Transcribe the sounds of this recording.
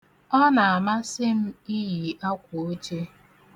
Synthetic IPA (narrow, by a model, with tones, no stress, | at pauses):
ɔ˦na˨a˨ma˦sɪ˦m̩˦i˦ɦi˨a˦kʷo˨o˦t͡ʃe˦